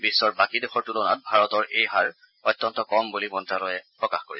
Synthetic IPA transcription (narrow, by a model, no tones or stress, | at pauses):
bisːɔɹbakidexɔɹtulɔnat̚bʱaɹɔtɔɹʔejɦaɹ | ɔjtːɔntɔkɔmbulimɔntɹalɔjɛpɹɔkaxkoɹisɛ